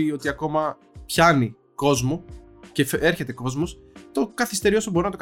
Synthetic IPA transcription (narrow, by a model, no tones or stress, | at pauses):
io̞t̪iɐko̞mɐ | pçɐni | ko̞zmo | cefeɾçe̞t̪e̞ko̞zmos | t̪o̞kɐθist̪e̞ɾio̞soboɾinɐt̪o̞k